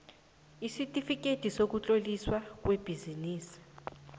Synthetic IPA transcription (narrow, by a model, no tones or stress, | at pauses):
isitʼifik̬ʼetʼisok̬ut͡ɬʼoliswak̬web̥ʱiziniːsi̥